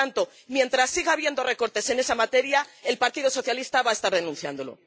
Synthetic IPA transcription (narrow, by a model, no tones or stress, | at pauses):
ant̪o̞ | mje̞nt̪ɾasːiɣaβje̞nd̪o̞re̞ko̞ɾt̪e̞se̞ne̞samat̪e̞ɾjae̞lpaɾt̪iðoso̞θjalist̪aβae̞st̪aɾðe̞nũnθja̰nd̪o̞lo̞̰